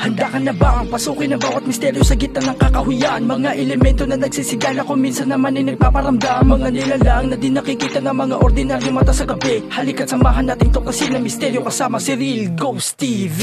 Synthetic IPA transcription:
hɐnd̪aːkɐnɐbaʔɐŋpɐsuːkɪnɐŋbaːwɐt̪̚mɪst̪ɛɾjosɐɡit̪ːɐnɐŋkɐkɐhʊjanmɐɡŋaʔɛlɛmɛnt̪o̞nɐnɐɡsisɪɡaːlɐkoŋminsɐnːɐmanɐjnɐɡ̚paːpɐɾɐmd̪amɐmmɐŋanɪlalaŋnɐd̪ɪnɐkɪkiːt̪ɐnɐŋmɐŋaʔoɾd̪ɪnaɾjomɐt̪asɐɡɐbɛhɐlɪkɐt̪sɐmaːɦɐnːat̪ɪŋt̪okɐsinɐŋmɪst̪ɛɾjokɐsaːmɐsɪɾilɡowst̪iv

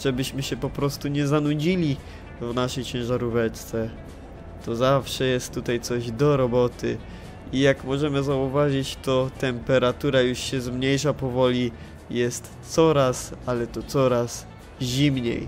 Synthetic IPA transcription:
ʐ̥ɛbɘɕmɘɕɛpɔpɾɔst̪uɲɛzanud͡ʑilʲi | vnaʂɛjt͡ɕɛ̃w̃ʐaɾuvɛt͡ʂt̪sɛ | t̪ɔzafʂɛjɛst̪ːut̪ajt̪sɔʑd̪ɔɾɔbɔt̪ɘ̰ | ijakmɔʐɛmɘzauvaʐit͡ɕt̪ɔt̪ɛmpɛɾat̪uɾajuʂɕɛzmɲejʂapɔvɔlʲi | jɛst̪sɔɾasalɛt̪ɔt̪sɔɾas | ʑimɲḛj

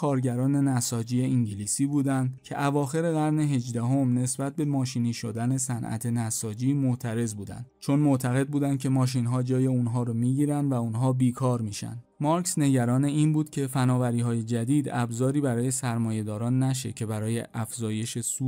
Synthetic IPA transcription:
kʰɒːɾɟæɾɒːne̞næsɒːd͡ʒiːeiŋɟiliːsiːbuːd̪ænd̪cʰe̞ʔævɒːxe̞ɾe̞ɣæɾne̞ɦe̞d͡ʒd̪æɦo̞mne̞sbæt̪̚be̞mɒːʃiniːʃod̪æne̞sænʔæ̰t̪ʰenæsɒːd͡ʒiːmoʔt̪ʰæɾe̞zbuːd̪æ̰nd̪̥t͡ʃʰo̞nmo̞ʔt̪ʰæɣe̞d̪̚buːd̪ænd̪̥cʲʰe̞mɒːʃ̬inɦɒːd͡ʒɒːje̞unɦɒːɾomiːɟiːɾænd̪væunɦɒːbiːkʰɒːɾmiːʃæ̰nd̪mɒɾksne̞ɟæɾɒːneiːnbuːd̪̥cʰe̞fænɒːvæɾiːɦɒːje̞d͡ʒæd̪iːd̪æbzɒːɾiːbæɾɒːje̞sæɾmɒːje̞d̪ɒːɾɒːnːæʃ̬ḛcʰe̞bæɾɒːje̞ʔæfzɒːje̞ʃe̞su

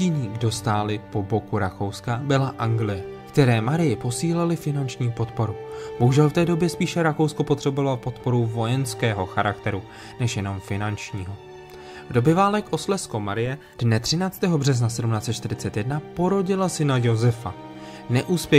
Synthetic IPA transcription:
iɲiːɡdo̞st̪aːlɪpo̞bo̞kuɾako̞wskabɪlaʔaŋɡlɪjɛ | kt̪ɛɾɛːmaɾɪjɪpo̞siːlɛlɪfɪnant͡ʃɲiːpo̞t̪po̞ɾub̥o̞ɦuʒɛlft̪ɛːdo̞bjɛspiːʃɛɾako̞wskopo̞t̪r̥ɛbovalpo̞t̪po̞ɾuvo̞jɛnskɛːɦo̞xaɾʔakt̪ɛɾu | nɛʃjɛno̞mfɪnant͡ʃɲiːɦo̞ | vdo̞bɛvaːlɛkʔo̞slɛskomaɾɪjɛ | d̥nɛt̪r̝̥ɪnaːt͡st̪ɛːɦo̞br̝ɛznasɛdumnaːt͡sɛt̪t͡ʃt̪ɪɾɪt͡sɛt̪jɛdnapo̞ɾo̞ɟɪlasɪnajo̞zɛfa̰ | nɛʔuːspjɛ

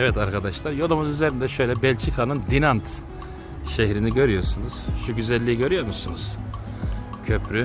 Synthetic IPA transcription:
ɛvɛt̪aɾkad̪aʃlˠaɾjo̞lˠumuzyzeɾind̪ɛʃø̞jlʲɛbɛlʲt͡ʃʰikʰanɯnd̪inant̪ | ʃeçɾiniɟø̞ɾyjo̞ɾsunuz̥ʃuɟyzɛlʲːiːiɟø̞ɾyjo̞ɾmusunuz̥ | cʰø̞pʰɾy

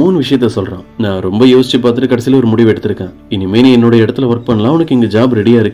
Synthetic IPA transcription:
muːnʋɪʂɐjɐt̪ːɛsɔlɾã̰ːnãːɾɔmbɐjoːsɪt͡ʃːɯp̬aːɾt̪ɯʈːɯkɐɽɐsilɐɔɾɯmʊɽɪʋɛɽːɐt̪ːɪɾɯkːẽː | ɪnːɪmeːnĩɛnːoːɽɐjɐɪɽɐt̪ːɪlɐʋɐɾk̚pɐɳːɐlãːʊnɐkːɪŋɡɐd͡ʒaːbɾɛɽɪjaːɪɾɯkːɯ

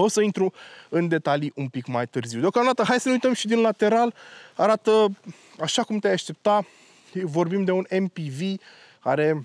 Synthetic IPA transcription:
o̞səint̪ɾuɨnd̪e̞t̪aliʔumpikmajt̪ɨrziwd̪eokamd̪at̪əɦajsəneujt̪əmʃid̪inlat̪e̞ɾalaɾat̪ə | aʃakumt̪eajaʃt̪e̞p̚t̪a | vo̞rbimd̪e̞unempivi | kaɾe̞

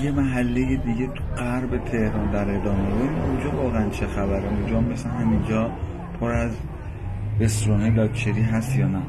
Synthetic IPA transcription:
jemæɦælːejed̪iɟet̪ʰuɢæɾbe̞t̪ʰe̞hɾɒːnd̪æɾe̞d̪ɒːmeboinund͡ʒɒːvɒːɣeænt͡ʃʰexæbæɾæmud͡ʒɒːmːeseɦæmind͡ʒɒː | pʰoɾæz | be̞st̪ɾonelɒːkt͡ʃʰeɾiːɦæst̪jɒːnæ

